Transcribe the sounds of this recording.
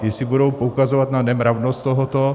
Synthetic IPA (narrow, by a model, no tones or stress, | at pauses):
jɛsɪbudo̞wpoukazovat̪nanɛmɾavnost̪t̪oɦot̪o